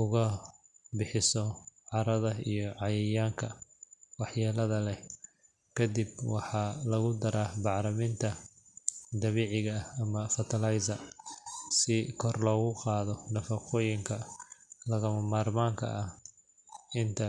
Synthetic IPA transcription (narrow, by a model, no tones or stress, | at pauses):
ʊɣɐ | bɪħɪsɔʕɑɾɐðɐijɔʕɑjɛjaːŋkʰɐwɑħjaːlɐðɐlɛ | kʰɐd̪ibwɑħɑlɐɣʊd̪ɐɾʔaːbɑʕɾɐmɪnt̪ʰɐ | d̪ɐβeːʕɪɣɐɐmɐfɐt̪ʰɐlɐjzɐ | sɪkʰɔrlɔːɣʊqɑːðɔnɐfɑqɔːjɪŋkʰɐlɐɣɐmɐmaːrmaːŋkʰɐ̰ʔɐ | ɪnt̪ʰɐ